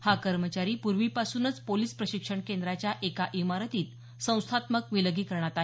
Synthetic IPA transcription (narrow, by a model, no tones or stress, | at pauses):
hakəɾmət͡ɕaɾiːpuɾʋiːpasuːnət͡spoliːspɾəɕikʂəɳkend̪ɾat͡ɕjaʔekaʔimaɾət̪iːt̪ | sə̃w̃st̪ʰat̪məkʋiləɡiːkəɾɳat̪aɦe